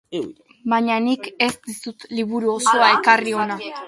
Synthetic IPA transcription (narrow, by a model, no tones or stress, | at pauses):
baɲanike̞sd̪isut̪liβuɾuo̞so̞ae̞kario̞na